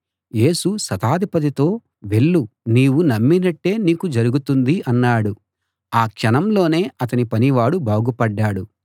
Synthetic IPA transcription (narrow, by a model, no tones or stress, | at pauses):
je̞ːsusɐt̪aːd̪ʱipɐt̪̬it̪o̞ː | ʋe̞ɭːuniːwunɐmːinɐʈːe̞ːniːkud͡ʒɐɾuɡut̪und̪iʔɐnːaːɽu | aːkʂɐnɐmlo̞ːne̞ːɐt̪ɐnipɐniʋaːɽubaːɡupɐɖːaːɽu